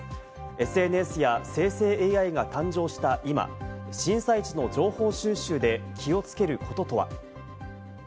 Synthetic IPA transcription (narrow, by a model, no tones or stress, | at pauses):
e̞sɨe̞nesɨjase̞ːse̞ːeːaiɡat̪ãɲd͡ʑo̞ːɕi̥t̪aʔima̰ɕĩɰ̃sait͡ɕino̞d͡ʑo̞ːho̞ːɕɨːɕɨːd̪e̞kʲʰio̞t͡sɨ̥ke̞ɾɯ̟ko̞t̪o̞t̪o̞βa̰